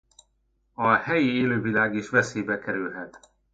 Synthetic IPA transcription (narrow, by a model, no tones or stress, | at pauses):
ɒhɛjieːløːvilaːɡiːʃʋɛseːbɛkɛɾylɦɛt̪